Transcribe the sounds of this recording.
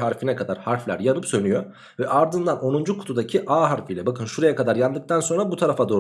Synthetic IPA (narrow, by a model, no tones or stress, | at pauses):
ɦaɾfinɛkʰad̪aɾhaɾflʲæ̰ɾjanɯpsø̞nyjo | vɛʔaɾd̪ɯnd̪anʔo̞nund͡ʒukʰu̥t̪ʰud̪acʰiʔaːɦaɾfijlʲɛbakʰɯnʃuɾajakad̪aɾjand̪ɯk̚t̪ʰanso̞nɾabut̪ʰaɾafad̪o̞ː